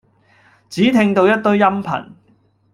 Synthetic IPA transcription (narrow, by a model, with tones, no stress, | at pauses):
t͡siː˨˥t̪ʰɪ˧ŋt̪o˧wjɐ˥t̚t̪ɵ˥ɥjɐ˥mpʰɐ̰˨˩n